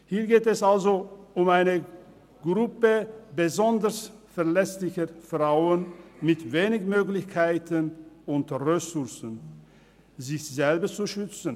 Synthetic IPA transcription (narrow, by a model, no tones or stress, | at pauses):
hiːɐɡeːtɛsalzoʊmaɪnə | ɡ̥ʁʊpəbəzɔndəsfɛɐlɛslɪçəfʁaʊənmɪtveːnɪçmøːɡlɪçkʰaɪtənʊntəʁesʊɐsən | zɪçz̥ɛlbət͡suʃʏt͡sn̩